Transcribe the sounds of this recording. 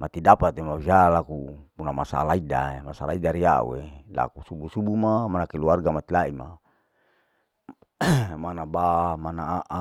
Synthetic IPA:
mat̪idapat̪emaid͡ʒalakupunamasa̰laida̰emasalaidaɾia̰ṵela̰kusubusubumamanakeluarɡamat̪ilaima | manabamanaaʔa

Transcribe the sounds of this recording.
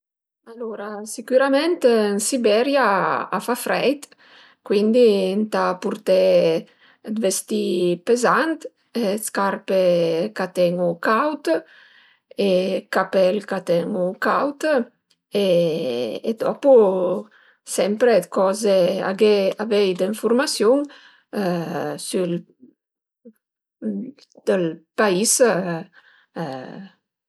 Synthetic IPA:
aloɾasikuɾamɛnt̪ənsibɛɾjaa̰fafɾɛjt̪ | kwind̪int̪apuɾt̪ɛ | d̪vest̪ipezant̪ | skarpekat̪ɛŋukawt̪ | ekapɛlkat̪ɛŋukawt̪ | eː | d̪ɔpu | sɛmpɾekɔzea̰ɡeavɛjd̪iɱfuɾmasjoŋ | syl | d̪̥əlpais

